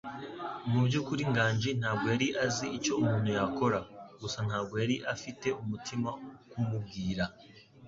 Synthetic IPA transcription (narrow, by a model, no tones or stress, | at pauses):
mubɟukuɾiŋɡaːɲɟin̥haːbɡo̞jaɾiʔaziico̞umuːn̥ujako̞ɾaɡusan̥haːbɡo̞jaɾiʔafite̞umutʰimaokumub̚ɡiːɾa